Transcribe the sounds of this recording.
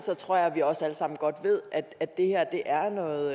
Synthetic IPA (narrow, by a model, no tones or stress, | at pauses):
sɒ̽t͡sʰʁo̝ɐ̰jɑ̈ʋiɒ̽sæləsɑ̈m̰n̩ɡ̥ɒ̽d̥ʋe̝ð̰ˠæd̥æd̥e̝hæɐ̰d̥e̝ʔæɐnɔ̽ːð̩ˠ